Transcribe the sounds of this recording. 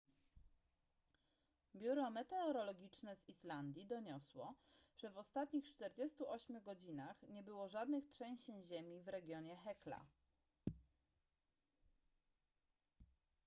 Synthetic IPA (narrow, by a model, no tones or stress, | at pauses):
bʲjuɾɔmɛt̪ɛɔɾɔlɔɡʲit͡ʂnɛzisland̪ʲjid̪ɔɲɔswɔʐ̥ɛvɔst̪at̪ɲixt͡ʂt̪ɛɾd͡ʑest̪uʔɔɕmʲjuɡɔd͡ʑinaxɲɛbɘwɔʐad̪nɘxtʂɛ̃ɕt͡ɕɛɲʑemʲivɾɛɡʲjɔɲɛxɛkla̰